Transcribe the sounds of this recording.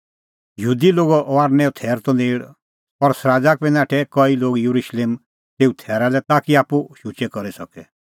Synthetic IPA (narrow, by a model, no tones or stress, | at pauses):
jɦuːd̪iloːɡɔʔɔaːɾnɛɔt̪ʰɛːɾt̪ɔneːɽ | pɔɾsɾaːd͡ʒak̚bɛ̃nãːʈʰɛkɔiloːɡjuɾuʃleːm | t̪eːut̪ʰɛːɾalɛt̪aːkiaːpuʃut͡ʃɛkɔɾisɐkɛ